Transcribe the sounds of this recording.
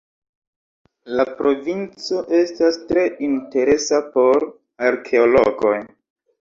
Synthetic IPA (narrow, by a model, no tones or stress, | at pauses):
lapɾo̞vint͡so̞ʔe̞stastɾe̞ʔinte̞ɾe̞sapo̞ɾ | aɾkʰe̞oloɡo̞j